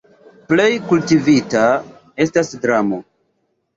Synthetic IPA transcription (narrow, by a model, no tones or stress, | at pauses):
ple̞jkultivita | e̞stasdɾamo̞